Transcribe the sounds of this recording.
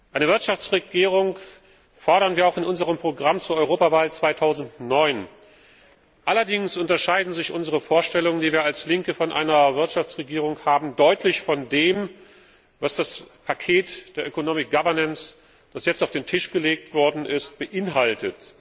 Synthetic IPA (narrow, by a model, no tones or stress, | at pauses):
ʔaɪnəvɪɐtʃaft͡sʁeɡiːʁ̞ʊŋ | fɔɐɾɐnviːɐaʊxɪnʔʊnzəʁ̞əmpʁ̥oɡʁamt͡suːɐʔɔʏʁ̞oːpavaːlt͡sv̥aɪtʰaʊzn̩tnɔʏn | ʔalɐdɪŋsʔʊntɐʃaɪdn̩zɪçʔʊnzəʁəfoːɐʃtɛlʊŋəndiːviːɐalslɪŋkəfɔnʔa̰ɪnɐvɪɐtʃaft͡sʁ̥eɡiːʁʊŋhaːbm̩dɔʏtʰlɪçfɔndeːm | vasd̥aspʰakʰeːtd̥eːɐʔøkonoːmɪk̚ɡ̥avɐnəns | d̥asjɛt͡staʊfd̥eːntʰɪʃɡ̥əleːk̚tv̥ɔɐdn̩ʔɪst̚b̥əʔɪnɦaltət